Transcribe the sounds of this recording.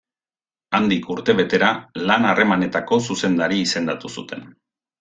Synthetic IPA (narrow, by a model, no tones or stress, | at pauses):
and̪ikuɾt̪e̞βe̞t̪e̞ɾalanare̞mane̞t̪ako̞suse̞nd̪aɾiːse̞nd̪at̪usut̪e̞n